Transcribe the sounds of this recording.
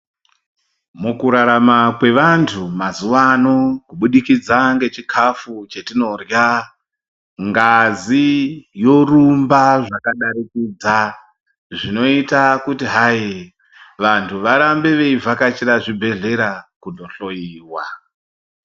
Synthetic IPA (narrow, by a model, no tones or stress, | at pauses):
mukuɾaɾamakwe̞ʋantʰumazuʋano̞kuɓuɗikid͡zaŋɡe̞t͡ʃikʰafut͡ʃe̞tino̞rja | ŋɡazijo̞rumbaʐakaɗaɾikid͡za | ʐino̞itakutiɦai | ʋantʰuʋaɾambe̞ʋe̞ivʱakat͡ʃiɾaʐibʱe̞ɮe̞ɾakundo̞ɬo̞iːwa